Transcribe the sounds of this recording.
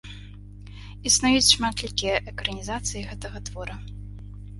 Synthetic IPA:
isnajut͡sʲʂmat̪lʲikʲijɛʔɛkɾɐnʲizat̪sɨjiɣɛt̪ɐɣɐt̪vɔɾɐ

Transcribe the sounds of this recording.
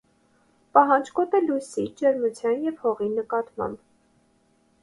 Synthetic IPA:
pɑɦɑnd͡ʒkɔt̪əlujsid͡ʒəɾmut͡sʰjɑnjɛvhɔʁinəkɑt̪mɑ̰mb

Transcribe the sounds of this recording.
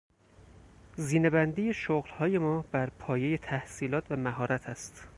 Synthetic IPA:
ziːne̞bænd̪iːje̞ʃoɣlhɒːje̞mɒːbæɾpʰɒːje̞je̞t̪ʰæhsiːlɒːt̪ʰvæmæɦɒːɾæt̪ʰæst̪

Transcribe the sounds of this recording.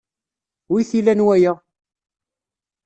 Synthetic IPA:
wiθilænwæjəʁ

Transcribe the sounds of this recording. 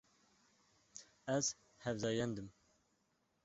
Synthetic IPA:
æz̥ | hɛvzɑjɛnd̪ɨm

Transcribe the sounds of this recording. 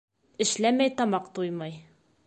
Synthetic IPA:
ɘ̆ʃlæmæjt̪ɒmɑqt̪ujmɑj

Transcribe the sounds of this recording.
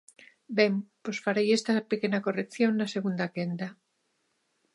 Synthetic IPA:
bemposfaɾejest̪apekenakorekθjoŋnaseɣund̪akend̪a

